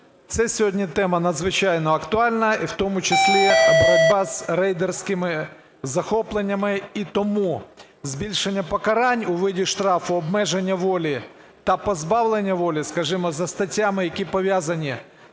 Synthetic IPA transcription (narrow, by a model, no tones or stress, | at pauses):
t̪sɛsʲɔɦɔdʲnʲit̪ɛmɐnɐd̪zʋɪt͡ʃɑjnɔɐkt̪ʊɑlʲnɐiwt̪ɔmʊt͡ʃɐsʲlʲiɐbɾɔd̚ʲbɑzɾɛjd̪ersʲkɪmɪ | zɐxɔplˠenʲːɐmɪit̪ɔmu | zbʲilʲʃenʲːɐpɔkɐɾɑnʲʊʋɪdʲiʃt̪ɾɑfʊɔbmɛʒenʲːɐʋɔlʲi | t̪ɐpɔzbɑwlˠenʲːɐʋɔlʲiskɐʒɪmɔzɐst̪ɐtʲːamɪjɐkʲipɔʋʲjazɐnʲi